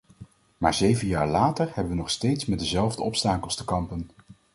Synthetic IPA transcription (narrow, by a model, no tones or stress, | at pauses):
maːɹzejvənjaːɹlaːtəɹhɛbəʋənɔχstejtsmɛt̚dəzɛlˠvdəɔpstaːkəlˠstəkɑmpən